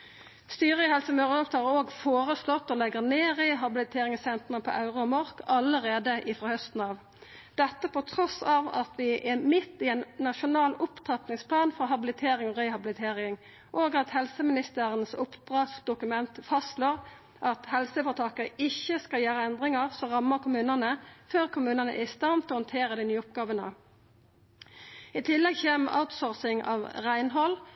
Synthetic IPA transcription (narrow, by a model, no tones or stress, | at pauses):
st̪yːɾəɪhɛlsəmøːʁəlɔpt̪ɑːʁoːɡfoːɾəslɔt̪ːɔlɛɡəʁneːʁɪɦɑbɪlɪt̪ʰeːʁɪŋsɛnt̪ənəpʰɔ̰ʔɑʉʁɑɔmɔɾkɑləɾeːd̪əʔɪfɾɑːhœst̪n̩ɑːʋ | d̪̥ɛt̪ːəpɔt̪ʰɾɔsɑːʋɑt̪ʋɪʔɛmɪt̪ːɪɛnːɑʃʊnɑːlʊpt̪ʰɑt̪nɪŋspʰlɑːnfɔɦɑbɪlɪt̪ʰeːɾɪŋɔʁɛhɑbɪlɪt̪ʰeːʁɪŋ | ʔoːɡɑt̪hɛlsəmɪnɪst̪əʁənsʊpd̪̥ʁɑt̪sd̪ʊkʉmɛnt̪fɑstloːʁ | ʔɑt̪hɛlsəfɔt̪ʰɑːkəɪçːəskɑljæːɾəɛnd̪ʁɪŋəʁsɔʁɑmːəʁkʰʊmʉːnənəføːʁkʰʊmʉːnənə̰ʔæɪst̪ɑnt̪ɔhɔnt̪ʰeːʁəd̪inyːʊp̚ɡɑːʋənə̰ | ɪt̪ʰɪlːɛɡçeːmʔɑ̰ʊt̪sɔʁsɪŋɑ̰ːʋʁæɪnɦɔl